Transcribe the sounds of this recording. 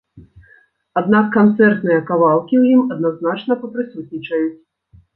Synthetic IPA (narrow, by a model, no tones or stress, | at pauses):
ad̪nakːant̪sɛrt̪nɨjɐkavalˠkʲiwjimɐd̪̚naznat͡ʂnɐpɐpɾɨsut̪̚ʲnʲit͡ʂɐjut͡sʲ